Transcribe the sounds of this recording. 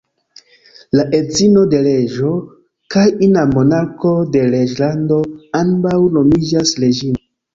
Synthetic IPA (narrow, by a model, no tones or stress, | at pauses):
laʔe̞zino̞de̞le̞ʒo̞ | kajinamo̞nako̞de̞le̞d͡ʒlando̞ambawno̞mid͡ʒasle̞d͡ʒino